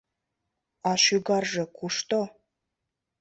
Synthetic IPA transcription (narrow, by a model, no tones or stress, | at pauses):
ɑʃyɡɑrʒɤ̆kuʃt̪o